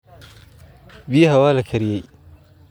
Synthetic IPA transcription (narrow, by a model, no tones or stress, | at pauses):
bihawaːlakʰɐɾjaj